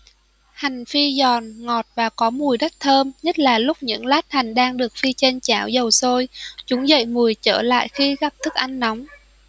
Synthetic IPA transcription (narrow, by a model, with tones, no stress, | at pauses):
ha˨˩jŋ̟fi˧zɔ˨˩nŋɔ˨˩t̚vaː˨˩kɔ˨˦mu˨˩əjɗə˦˥t̚t̪ʰəː˧mɲə˦˥t̚laː˨˩lʊ˦˥k͡p̚ɲɨ̰˧˥ŋlaː˦˥t̚ha˨˩ŋ̟ɗaː˧ŋɗɨ˨˩ək̚fi˧t͡ɕe˧nt͡ɕaː˧˩wzə˨˩wso˧jt͡ɕʊ˨˦ŋ͡mzə̰˧˨jmu˨˩əjt͡ɕə̰ː˧˩la̰ː˧˨jxi˧ɣa˨˩p̚t̪ʰɨ˦˥k̚ʔa˧jŋ̟na˨˦wŋ͡m